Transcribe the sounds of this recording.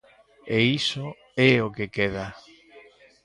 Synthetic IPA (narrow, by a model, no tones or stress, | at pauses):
eiso | ɛokekeða